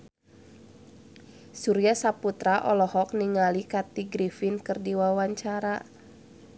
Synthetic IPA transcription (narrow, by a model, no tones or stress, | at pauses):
suɾiasaput̪ɾaʔɔlɔhɔk̚niŋalikat̪iɡɾifinkɨrdiwawaɲt͡ʃaɾa